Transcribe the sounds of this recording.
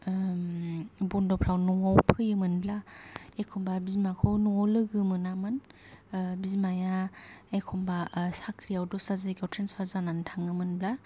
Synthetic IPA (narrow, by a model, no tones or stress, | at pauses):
bɔndɔpʰɾawnɔawpʰɯjɯmɯnblaekʰɔmbabizmakʰɔwnɔɔwlɯɡɯmɯnamɯn | bizmajaekʰɔmbasakʰɾijawdɔsazajkawtʰɾenspʰazanantʰaŋɯmɯnbla